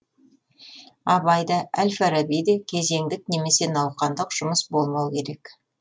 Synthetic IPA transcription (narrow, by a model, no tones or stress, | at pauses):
ɑbɑjd̪ɑʔælfæɾabijd̪ekʲʰe̞ze̞ŋd̪ɪk̚ne̞me̞se̞nɑwqɑnd̪əqʒ̥ʊməsbo̞lˠmɑwkʲe̞ɾe̞k